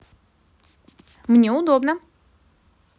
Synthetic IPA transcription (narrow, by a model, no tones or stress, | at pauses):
mnʲeʊd̪obnə